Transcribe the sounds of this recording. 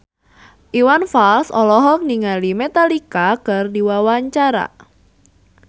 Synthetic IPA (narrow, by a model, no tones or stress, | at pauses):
ʔiwanfalsɔlɔɦɔk̚niŋalimet̪alikakɨrdiwawaɲt͡ʃaɾa̰